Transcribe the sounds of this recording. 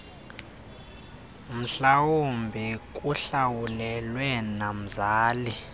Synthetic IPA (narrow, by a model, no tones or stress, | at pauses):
m̩ɬawumbʱik̬ʼuɬawulɛlwɛnam̩zaːli